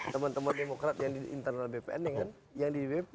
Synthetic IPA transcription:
t̪əmant̪əmandemokɾat̪̚jaŋdiʔḭnt̪ərnalbepeʔɛndəŋan | jaŋdibe

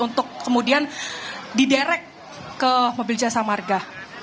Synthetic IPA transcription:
unt̪ʊkːəmudiandidɛɾɛkː | əmobɪld͡ʒasamarɡa

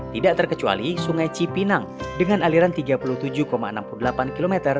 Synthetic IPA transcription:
t̪idaʔt̪ərkət͡ʃua̰lisuŋajt͡ʃipinaŋdəŋanaliɾant̪iɡapuluht̪ud͡ʒukomaə̰nampuludəlapankilomɛt̪ər

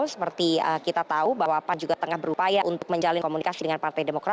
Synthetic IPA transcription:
səpərt̪iəkit̪at̪aubawaːpand͡ʒuɡat̪əŋahbəɾupajaʔunt̪ʊk̚məɲd͡ʒalɪnkomunikasidəŋanpart̪ajdemokɾa

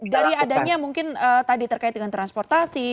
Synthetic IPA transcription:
daɾiadaɲamuŋkɪnəːt̪adit̪ərkaɪt̪̚dəŋant̪ɾanspɔrt̪asi

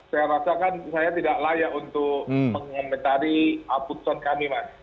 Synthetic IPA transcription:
sajaɾasakansajat̪idaʔlajaʔunt̪ʊkpəŋamet̪aɾiaput̪ɔnkamimas

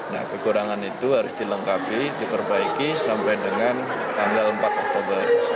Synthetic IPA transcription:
na̰hkəkuɾaŋanit̪uɦaɾʊsdiləŋkapidipərbaikisampajdəŋant̪aŋɡalmpat̪̚ɔk̚t̪obər

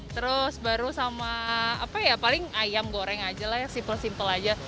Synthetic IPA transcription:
t̪əɾʊsbaɾusamaapajapalɪŋajamɡoɾɛŋad͡ʒalahjaksimpəlsimpəlad͡ʒa

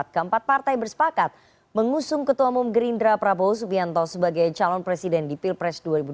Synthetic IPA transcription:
t̪̚kəəmpat̪̚part̪ajbərsə̥pakat̪̚ | məŋusʊŋkət̪uamumɡəɾindɾapɾabosubiant̪ɔsəbaɡajt͡ʃalɔnpɾesidɛndipilpɾɛsduaɾibu

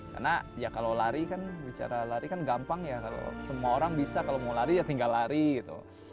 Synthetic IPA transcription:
ka̰rnajakalolaɾikanbit͡ʃa̰ɾalaɾikanɡampaŋjakalo̰səmuaoɾaŋbisakalomawlaɾid͡ʒat̪iŋɡalːaɾiɡit̪ṵ

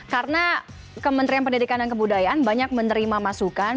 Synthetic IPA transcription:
karəna | kəmənt̪ɾianpəndidikandankəbudajaʔanbaɲak̚mənəɾimamasukan

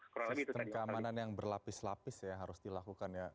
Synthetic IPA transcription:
kɔɾbit̪t̪əmkəammananjaŋbərlapɪslapɪsjaɦaɾʊsdilakukanja

